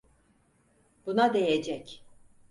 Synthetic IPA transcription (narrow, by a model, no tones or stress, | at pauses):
b̥unad̪e̞jed͡ʒɛc